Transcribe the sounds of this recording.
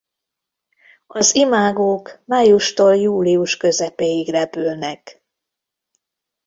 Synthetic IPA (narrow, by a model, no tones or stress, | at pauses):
ɒzimaːɡoːkmaːjuʃt̪oːljuːliuʃkø̞zɛpejiɡrɛpylnɛk